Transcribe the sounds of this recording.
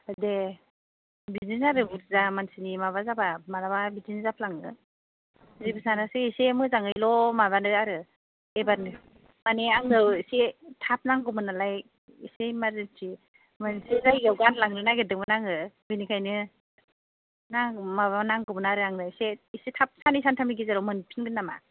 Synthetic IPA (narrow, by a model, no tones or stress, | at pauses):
de | bizinaɾɯbuɾzamansinimaβazabamalaβabizinzap̚ʰlaŋɯ | zibisanaseisemɯzaŋɯjlɔmaβanɯaɾɯ | ebanɯ | maneaŋnɯwisetʰap̚naŋɡɯmɯnalaj | isemaɾɯntʰi | mɯnsizajɡawɡanlaŋnɯnaɡedɯmɯnaŋɯbinikʰajnɯ | namaβanaŋɡɯmɯnaɾɯaŋnɯseisetʰap̚sanisantʰamiɡizaɾɔmɯnpʰinɡɯnːama̰